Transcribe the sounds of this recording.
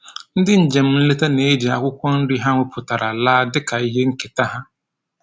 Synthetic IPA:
n̩˦dɪ˦n̩˦d͡ʒɛ˨m˦n̩˦le˦ta˦neː˨˦d͡ʒɪ˨a˨kʊ˦kʷɔ˦n̩˦dɪ˦ɦã˦ŋʊ˦pʰʊ˨ta˨ɾa˨laː˦dɪ˦ka˨je˦ŋ̩˦kɛ˨ta˦hã˦

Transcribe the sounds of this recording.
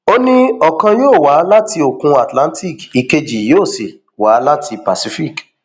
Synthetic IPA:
o˦nĩ˦ɔ˨kã˧joː˦˨wa˨˦la˦ti˧o˨kũ˧a˨tlã˦n˦tʰi˦˨ki˨ke˧d͡ʒi˨joː˦˨si˨ | wa˨˦la˦tʰi˧pa˨si˦fi˦˨k

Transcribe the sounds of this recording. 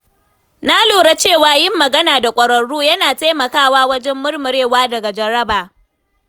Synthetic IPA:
na˦loː˨ɽa˦t͡ʃeː˦˨waː˨jɪ˦mːɐ˨ɡɐ˦naː˨da˨kʷʼɐ˨ɾɐ˨ɽuː˦jɐ˦naː˨ta˦jmɐ˨kaː˦˨waː˦wɐ˦d͡ʒɛ˦mːʊ˦ɽmʊ˨ɾeː˦˨waː˦dɐ˨ɡa˨d͡ʒɐ˨ɾɐ˦baː˨

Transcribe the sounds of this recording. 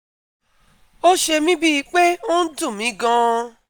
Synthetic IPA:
o˦ʃe˧mĩ˦bi˦˧k͡pe˦o˦n̩˦dũ˦˨mĩ˨˦ɡã˦˧

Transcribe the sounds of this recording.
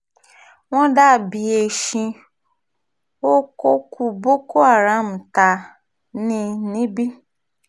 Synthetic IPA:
w̃ɔ̃˦da˦˨bi˨e˨ʃĩ˧ | o˦ko˦ku˧bo˦ko˦a˦˨ɾã˨˦m̩˨ta˨ | nĩ˧nĩ˦bi˦

